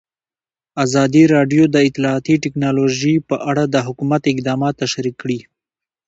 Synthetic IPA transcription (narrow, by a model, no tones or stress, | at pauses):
azɑd̪iɾɑɖjod̪əɪt̪ɪlɑːt̪iʈɪknɑloʒipəʔaɽad̪əɦʊkumat̪ɪk̚d̪ɑmɑt̪ːaʃɾikːɽi